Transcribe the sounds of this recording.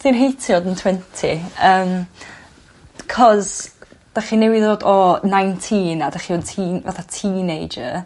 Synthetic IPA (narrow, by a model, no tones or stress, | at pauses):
θɪnɦejtʰjɔdəntʰw̥ɛntʰiəːm | kʰɔzd̥aχinewiðoːdɔnajntʰinadaχioːdtʰiːnva̰θatʰiːnejd͡ʒə̰